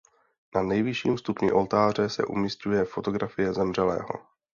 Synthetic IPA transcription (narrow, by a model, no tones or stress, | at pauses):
nanɛjvɪʃiːmst̪upɲɪʔo̞lt̪aːr̝ɛsɛ̰ʔṵmɲɪscujɛfo̞t̪o̞ɡɾafɪjɛzɛmr̝ɛlɛ̰ːɦo̞̰